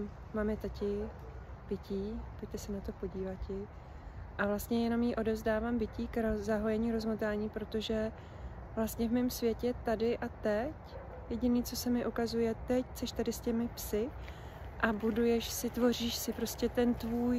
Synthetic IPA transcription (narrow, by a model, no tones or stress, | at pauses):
maːmjɛt̪acɪ | b̥ɪcʰiːpo̞cʲt̪ɛsɛnat̪o̞po̞ɟiːvat̪̚cɪ | ʔavlast̪ɲɛjɛno̞mjiʔo̞dɛvzdaːvaːmbɪciːkɾozaɦojɛɲiːɾo̞zmot̪aːɲiːpɾo̞t̪o̞ʒɛ | vlast̪ɲɛvmɪmsvjɛcɛt̪adɪʔat̪ɛc | jɛɟɪniːt͡so̞sɛmɪʔukazujɛt̪ɛct͡sɛʃt̪adɪscɛmɪpsɪ | ʔabudujɛʃsɪt̪vo̞r̝iːʃsɪpɾo̞scɛt̪ɛnt̪vuːj